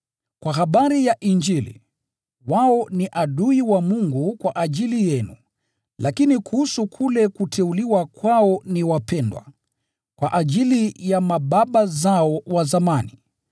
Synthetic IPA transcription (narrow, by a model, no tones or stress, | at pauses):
kwaɦaɓaɾijaʔiɲd͡ʒilḭ | waɔniʔaɗuiwamuŋɡukwaʔaʄilijɛnu | lakinikuhusukʰulɛkutʰɛuliwakwaɔniwapɛndwa̰ | kwaʔaʄilijamaɓaɓazaɔwazamani